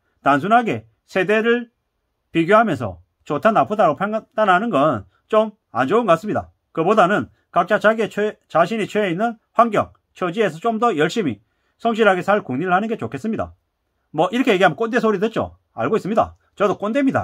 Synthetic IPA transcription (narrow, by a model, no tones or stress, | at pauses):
tans̬ʰunɦaɡe̞ | sʰe̞de̞ɾɯɭ | piɡjoɦamjʌnsʰʌ̰ | t͡ɕotʰanapʰudaɾopʰaŋd̥anɦanɯnɡʌn | t͡ɕom | a̰nd͡ʑouŋɡas͈ɯmɲida̰ | kɯbodanɯn | kak̚t͡ɕ͈at͡ɕʰaɡet͡ɕaɕ̬ʰinit͡ɕʰweinːɯn | ɸwaŋɡjʌ̰ŋ | t͡ɕʰʌd͡ʑie̞s̬ʰʌt͡ɕ͈omdʌjʌɭɕ͈imi | sʰʌŋɕ̬ʰiɾɦaɡe̞sʰaɭkuŋɲiɾɯɭhanɯnɡe̞t͡ɕokʰe̞s͈ɯmɲida̰ | mʌʔiɾʌkʰe̞jeɡiambʌk͈ondesʰoɾidwet̚t͡ɕ͈o̰ | a̰ɭɡois͈ɯmɲida̰ | t͡ɕʌdok͈onde̞mɲida̰